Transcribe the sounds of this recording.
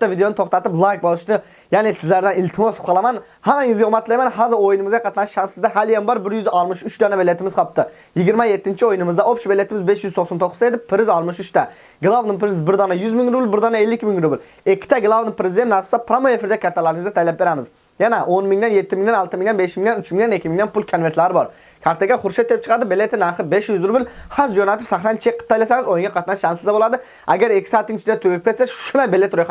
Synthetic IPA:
t̪ːɑvid̪ejonɨt̪ʰoχt̪ɑt̪ɨplˠɑk̚bolˠɨʃnɨ | jɛnɪsɪzlæɾd̪ɛnilʲt̪ʰɨmosp̚qʰɑlˠɑmɑn | hæmɛŋɪzɡʲɛomɑt̪lˠɑjmɛnɦɑːzɨɾojunɨmɨzɡʲɑqʰɑt̪ʰnɑʃʃɑnsɪzd̪ɛɦæljɛmbɑɾbɪɾjyzɑlˠmɨʃyt͡ʃd̪ɑnɛbelːɛt̪ʰɪmɪzqʰɑp̚t̪ɨ | jiɡʲiɾmɛjet̪ːɪnt͡ʃʰiojnɨmɨzd̪ɑʔopʃbelːɛt̪ʰɪmɪzbeʃjyzt̪ʰoχsɑnt̪ʰoqʰːʊzed̪ɪpʰːɪɾɪzɑlˠmɯʃyt͡ʃt̪ʰɛ | ɡlˠɑvnɨpʰɪɾɪzbɪɾd̪ɑnɑjyzmɪŋɾubɪlˠbɪɾd̪ɑnɑelːɪkʲmiŋɾubɪl | ɪkʲʰːɪ̥t̪ʰɛɡlˠɑvnɨpʰɾɪzɪd̪ennɑɾssɑpʰɾɑmoefɪɾd̪ɛkʲʰɑɾt̪ʰɑlˠɑɾɨŋɨzɛt̪ʰɛjlɛp̚beɾɛmɪz | jɛnɛʔonmɪŋd̪ɛnjet̪ʰːɪmɪŋd̪ɛnɑlˠt̪ɨmɪiŋɛnbeʃmɪŋnɛnyt͡ʃmɪŋd̪ɛnɪkʲʰːimɪiŋd̪ɛnpulˠkʰonveɾt̪lˠɑɾɨbɑɾ | kʲʰɑɾt̪ʰɛɡʲɛχʊɾʃɛt̪ːep̚t͡ʃʰə̥qʰɑd̪ɨbelːet̪ːɪnæɾχəbeʃjyzɾubɪlhɑsd͡ʒonɛt̪ɪpsæχɾɛnt͡ʃʰeqʰːə̥t̪ːɑjlɪsæŋɨzojuŋɡʲɑqʰɑt̪nɑnʃɑnsɨzd̪ɛbolˠɑd̪ɨ | æɡʲæɾɪkʲʰːɪ̥sɑːt̪ːɪŋt͡ʃʰiɡ̪ʲɛt̪ʰøɡʲp̚kʲet̪sɛʃʃʊnɑjbelːet̪ɾojqʰɑ

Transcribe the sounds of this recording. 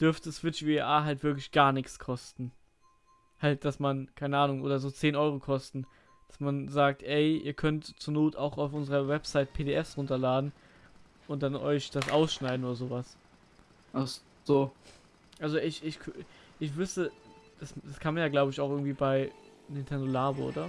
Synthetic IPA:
d̥ʏɐftəsv̥ɪt͡ʃviʔaːɦaltv̥ɪɐklɪçɡ̥aːɐnɪçt͡skʰɔstn̩ | halt̚d̥asmankʰaɪnəʔaːnʊŋʔoːdɐzoːt͡seːnʔɔʏʁokʰɔstn̩ | d̥asmanzaːk̚tʰʔɛɪʔḭːɐkʰœntt͡suːɐnoːtʰaʊxaʊfʔʊnzəʁɐvɛpz̥aɪt̚pʰeːdeːʔɛfsʁʊntɐlaːdn̩ | ʔʊnt̚d̥anʔɔʏçd̥asʔaʊsʃnaɪdn̩oːdɐzoːvas | ʔaχ | z̥oː | ʔalzoʔɪçʔɪçkʰʔɪçv̥ʏstəd̥asd̥askʰanmanjaːɡlaʊbəɪçaʊxɪɡŋ̩tv̥iːbaɪnɪntʰɛndolaːboʔo̰ːdɐ

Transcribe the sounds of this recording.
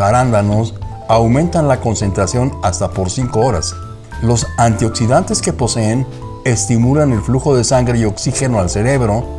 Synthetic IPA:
aɾand̪ano̞s | awmẽ̞nt̪anlako̞nse̞nt̪ɾasjo̞nast̪apo̞ɾsiŋko̞oɾa̰s | lo̞sant̪io̞ksiðant̪e̞ske̞po̞se̞ːn | e̞st̪imulane̞lfluxo̞ðe̞saŋɡɾe̞io̞ksixe̞no̞alse̞ɾe̞βɾo̞

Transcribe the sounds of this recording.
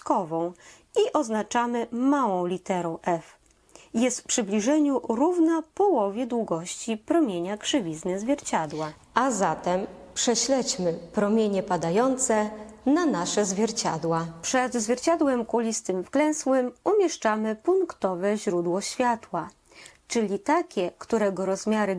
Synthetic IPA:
kɔvɔ̃w̃ | iʔɔznat͡ʂamɘmawɔ̃w̃lʲit̪ɛɾɔ̃w̃ʔɛf | jɛst̪pʂɘblʲiʐɛɲuɾuvnapɔwɔvʲjɛd̪wuɡɔɕt͡ɕipɾɔmʲjeɲakʂɘvʲiznɛzvʲjɛɾt͡ɕad̪wa | azat̪ɛm | pʂɛɕlɛt͡ɕmɘpɾɔmʲjeɲɛpad̪ajɔnt̪sɛnanaʂɛzvʲjɛɾt͡ɕa̰d̪wapʂɛd̪zvʲjɛɾt͡ɕad̪wɛmkulʲist̪ɘmfklɛ̃swɘmumʲjɛʂt͡ʂamɘpuŋkt̪ɔvɛʑɾud̪wɔɕfʲjat̪wa | t͡ʂɘlʲit̪akʲɛkt̪uɾɛɡɔɾɔzmʲjaɾɘ

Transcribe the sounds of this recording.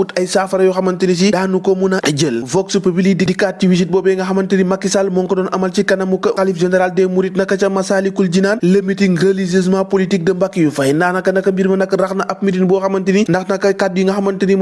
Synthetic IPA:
utɐjsaːfɐɾɐjuxɐmɐntinis̬idaːnukomunɐɐɟəlvɔksupɐbilididikatiwis̬it̚bɔːbɛŋɡɐɦɐmɐntinimɐkːisalmɔŋkɐdɔnʔɐmɐlt͡ʃikɐnɐmukɐalifʒenɛɾaldɛmuɾitnɐkːɐt͡ʃɐmɐsaːlikuld͡ʒinaːnlɐmitiŋɡɐlizis̬mapolitik̚dɐmbakːijufɐjnanɐkːɐnɐkːɐmbiɾmɐnɐkːɐɾɐxnɐʔɐp̚mitinbɔːxɐmɐntinindɐxnɐkɐkat̚jiŋɡɐxɐmɐntini

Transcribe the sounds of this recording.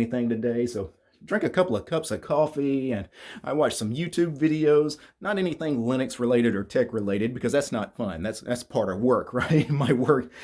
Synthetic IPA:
iθɪ̃ŋtɨdeɪsoʊ | dɹɪ̃ŋkɨkʰʌpl̩ˠʌv̥kʰʌpsɨkʰɔfiɨ̃nʔa̰ɪwɑt͡ʃsʌ̃mjʉtʰʉbvɪɾioʊznəɾɛñiθɪ̃ŋlɪ̃ñɨksɹɨleɪɾɨɾə˞tʰɛkɹɨleɪɾɨd̚bɨkʰʌzðætsnətfʌ̃nðætsðæ̰tspʰɑɹɾʌvwɜ˞kʰɹaɪt̚nmaɪwɜ˞k

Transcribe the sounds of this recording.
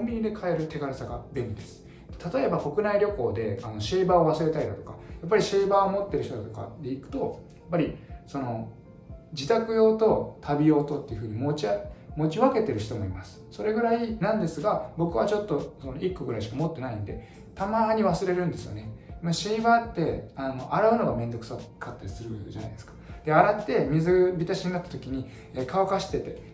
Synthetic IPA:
kõmbʲiɲ̟id̪e̞kʰae̞ɾɯ̟t̪ʰe̞ɡaɾesaɡabẽ̞ɲid̪esɨ̥ | d̪̥e̥t̪at̪o̞e̞bako̞kɯ̟naiɾʲo̞ko̞ːd̪e̞ano̞ɕeːbaːo̞βasɨɾe̞t̪aid̪a̰t̪o̞̥kajapːaɾʲiɕeːbaːomo̞t̪ːe̞ɾɯ̟çit̪o̞d̪at̪oka̰d̪e̞ikɯ̟̥t̪o̞japːaɾʲiso̞no̞ | d͡ʑit̪akɯ̟jo̞ːt̪o̞t̪ʰabʲijo̞ːt̪o̞t̪ːe̞iɯ̟ɸɯ̟ːɲ̟imo̞t͡ɕiamo̞t͡ɕiβake̞t̪e̞ɾɯ̟çi̥t̪o̞mo̞̰ḭmasɨ̥so̞ɾe̞ɡɯ̟ɾainãnd̪e̞sɨɡabo̞kɯ̟βat͡ɕo̞t̪ːo̞so̞no̞ʔikːɯɡɯ̟ɾaiɕ̬i̥kamo̞t̪ːe̞naĩnd̪e̞̰ | t̪amaːɲ̟iβasɨɾe̞ɾɯ̟̃nd̪e̞sɨjo̞̰nemaɕĩβant̪ːe̞ano̞ʔaɾaɯ̟no̞ɡamẽ̞nd̪o̞kɯ̟̥sakʰːat̪ːaisɨɾɯd͡ʑa̰na̰ijd̪e̞sɨ̥kḁd̪̥e̞aɾat̪ːe̞mʲizɨbʲit̪aɕiɲ̟inat̪ːat̪o̞kʲiɲ̟iː | kaokaɕi̥t̪e̞t̪e̞

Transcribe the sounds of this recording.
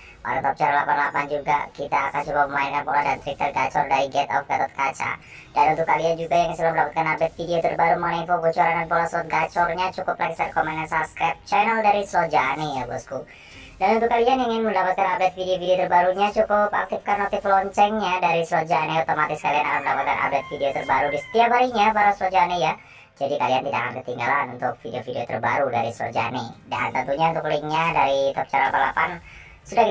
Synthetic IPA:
ma̰ɾat̪ɔp̚t͡ʃaɾalapanlapand͡ʒuɡa̰kit̪aːkant͡ʃukap̚əmaɛnkanpoladant̪ɾik̚t̪ərɡa̰t͡ʃɔ̰rdaɾiɡɛt̪ɔ̰fɡat̪ɔt̪̚kat͡ʃa̰ | danunt̪ʊkaliand͡ʒuɡajaŋisilaməndapat̪̚kanabɛt̪̚fideot̪ərbaɾuməŋənaifoɡot͡ʃoɾandanpolaslɔt̪̚ɡat͡ʃɔrɲat͡ʃukʊplʔaksarkɔmɛnansabskɾap̚t͡ʃanaldaɾislod͡ʒanijabɔsku | danunt̪ʊkalianiŋɪnməndapat̪̚kanabɛt̪̚fideofideot̪ərbaɾuɲat͡ʃukʊpa̰k̚t̪ɪfkanːot̪ɪplɔɲt͡ʃɛŋɲadaɾislod͡ʒaniut̪omat̪ɪskalianakanməndapat̪̚ka̰nʔa̰bɛt̪̚fideot̪ərbaɾudisə̥t̪iapaɾiɲabaɾaslod͡ʒanija | d͡ʒadikaliant̪idaʔa̰kankə̥t̪iŋɡa̰lanunt̪ʊk̚fideofideo̰t̪ərba̰ɾudaɾislo̰d͡ʒa̰nḭda̰nt̪ənt̪uɲaunt̪ʊklaiŋɲadaɾit̪ɔp̚t͡ʃaɾa̰pala̰pan | sudaki

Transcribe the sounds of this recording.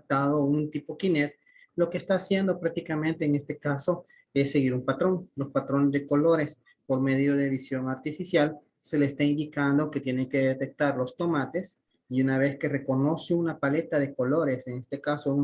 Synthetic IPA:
t̪aðount̪ipo̞kinet̪̚ | lo̞keːst̪aːsje̞nd̪o̞pɾak̚t̪ikamẽ̞nt̪e̞ːŋe̞st̪ekaso̞ | e̞sːe̞ɣiɾumpat̪ɾo̞ŋlo̞spat̪ɾo̞nezðe̞ko̞lo̞ɾe̞s | po̞ɾme̞ðjo̞ð̞eβisjo̞ŋaɾt̪ifisjal | se̞lest̪aind̪ikand̪o̞ke̞t̪je̞neŋke̞ðet̪e̞k̚t̪aɾlo̞st̪o̞mat̪e̞s | iunaβ̞e̞ske̞re̞ko̞no̞seunapale̞t̪aðeko̞lo̞ɾe̞se̞ŋe̞st̪e̞kasoun

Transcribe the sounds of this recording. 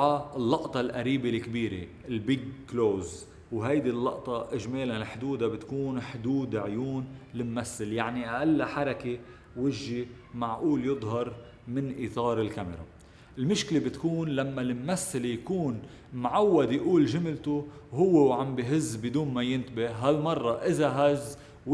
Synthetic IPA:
alːɑʔt̪ˤɑlʔaɾiːbelkbiːɾḛ | ɪlbɪɡkloːz | wɦajd̪ilːɑ̰ʔt̪ˤɑʔɪʒmeːlanɪlħd̪uːd̪abɪt̪kuːnħd̪uːd̪ʕjuːnlɪmːasːɪljaʕniʔaʔalːaħɑɾˤɑke | wɪʒːi | maʕʔuːljɨd̪ˤɦɑɾˤ | mɪnʔit̪ˤɑːɾˤɪlkamɪ̰ɾɑ̰ | ɪlmʊʃklebɪt̪kuːnlamːalɪmːasːalejakuːn | mʕawːad̪jʔuːlʒɪmlt̪uɦʊwːewʕambiɦɪzːbɪd̪uːnmajɪnt̪bɪhɦalmɑrˤːɑʔɪzaɦazː | w

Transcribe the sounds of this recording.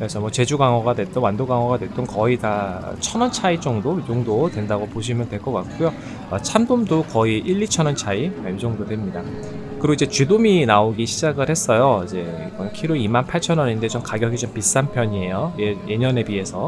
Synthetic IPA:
kɯesʰʌmwʌt͡ɕe̞d͡ʑuɡaŋʌɡadwe̞t͈ʌnwandoɡaŋʌɡadwe̞t͈onkʌita̰t͡ɕʰʌnʌnt͡ɕʰait͡ɕ͈ʌŋdojoŋdodwe̞ndaɡopoɕ̬ʰimjʌndwe̞ɭk͈ʌk͈ak͈ujo | at͡ɕʰamdomdokʌiʔiʎːit͡ɕʰʌnʌnt͡ɕʰaiaid͡ʑʌŋdodwe̞mɲida | kɯɾoid͡ʑe̞t͡ɕɥidominaoɡiɕʰid͡ʑaɡɯɭhe̞s͈ʌjoid͡ʑe̞ | iɡʌnkʰiɾoimanpʰaɭt͡ɕʰʌnʌɲinde̞t͡ɕomkaɡjʌɡit͡ɕompis͈ampʰjʌɲie̞jojeje̞ɲʌne̞pie̞sʰʌ

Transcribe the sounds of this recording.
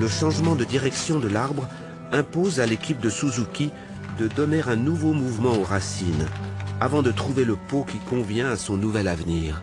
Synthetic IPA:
ləʃɑ̃ʒmɑ̃d̪əd̪iʁɛksjɔ̃d̪əlaʁbʁ | ɛ̃pozalekʲip̚d̪əsuzukʲi | d̪əd̪ɔneʁɛ̃nuvomuvmɑ̃oʁasinavɑ̃d̪ət̪χuveləpokʲikɔ̃vjɛ̃asɔ̃nuvɛlavniːʁ

